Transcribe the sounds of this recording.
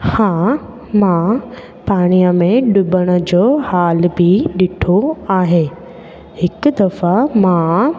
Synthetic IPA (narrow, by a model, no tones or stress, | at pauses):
hãː | mã | paːɽ̃ijəmẽɗʊbəɽ̃ə̆d͡ʑoːhaːlbʱiɗɪʈʰoaːɦeː | hɪkʊd̪ɐfamã